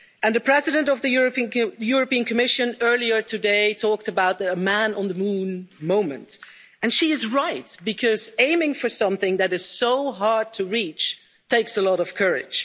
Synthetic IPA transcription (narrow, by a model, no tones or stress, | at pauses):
ɨ̃nðɨpʰɹ̥ɛzɨɾɨ̃ntʌvðɨjɹijʊɹɨpĩɨ̃nkʰɨmɪʃɨ̃nɜ˞lˠiə˞tʰɨdeɪtʰɔk̚tɨbaʊt̪̚əmæ̃nə̃nðəmũnmõʊ̃mɨ̰̃nt | ɨ̃nʃiɨzɹaɪt̚b̥ɨkʰʌzẽɪ̃mɪ̃ŋfə˞sʌ̃mθɪ̃ŋðɨɾɨz̥soʊɦɑɹd̚tʰɨɹit͡ʃ | tʰeɪksəlɔɾʌv̥kʰɜ˞ɪ̰d̥ʒ̥